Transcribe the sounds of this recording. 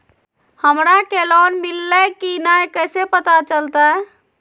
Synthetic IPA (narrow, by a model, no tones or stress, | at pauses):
həmɾakelɔnmilːəkinajkəsepət̪at͡ʃəlt̪a